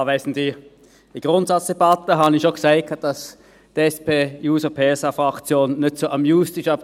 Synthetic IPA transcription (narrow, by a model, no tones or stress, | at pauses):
ʋæɪsn̩di | d̥iɡ̥ʁʊntsɑt͡ssd̥ebɑtəɦɑːbənɪʃoksæɪkʰɑt̚d̥ɑs | d̥ɛspʰeːjuːsəpʰeːsɑfʁɑkt͡sjoːnːʏtsoːʔɑmjuːstɪʃɑp̚